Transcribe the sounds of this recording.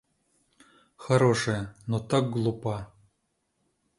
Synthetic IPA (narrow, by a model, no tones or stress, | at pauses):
xaɾoʂenot̪ɤk̚ɡlˠupɑ